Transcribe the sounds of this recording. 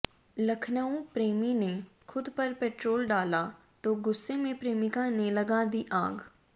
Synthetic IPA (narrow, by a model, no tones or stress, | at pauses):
lɐkʰnaõpɾeːminekʰʊd̪pɐɾpɛːʈɾoːlɖaːla | t̪oːɡʊsːemẽpɾeːmɪkãnelɐɡad̪iʔaːɡ